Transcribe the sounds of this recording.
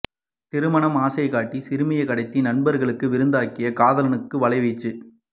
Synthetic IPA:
t̪ɪɾɯmɐɳɐmaːsɐɪkaːʈːisɪɾɯmɪjɐɪkɐɽɐɪt̪ːinɐnbɐɾɣɐɭɯkːɯʋɪɾɯnd̪aːkːɪjɐkaːðɐlɐnɯkːɯʋɐɭɐɪʋɛt͡ʃːɯ

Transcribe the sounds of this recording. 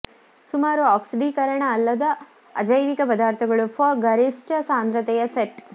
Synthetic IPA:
sumaːɾuaːksiɖiːkɐɾɐɳɐːlːɐd̪ɐ | ɐd͡ʒɐjʋikɐpɐd̪aːɾt̪ʰɐɡɐɭupʰɔːɾɡɐɾisʈɐsaːnd̪ɾɐt̪ɛjɐseʈ

